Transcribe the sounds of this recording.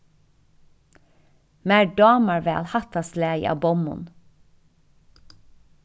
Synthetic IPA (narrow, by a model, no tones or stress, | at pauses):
mæːɖɑːməɹʋeːɑ̰lhɑt̪ɑslḛːɑ̰ːbɔmʊ̰n